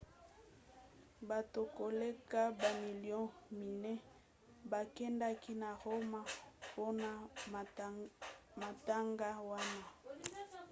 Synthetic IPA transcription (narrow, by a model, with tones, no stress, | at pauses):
ba˨to˨ko˨le˦ka˦ba˨mi˨ljɔ̃˦mi˨nɛ˦ | ba˨kɛ˦nda˦ki˦na˨ʁo˦ma˦po˦na˨ | ma˨ta˦ŋɡa˦wa˦na˦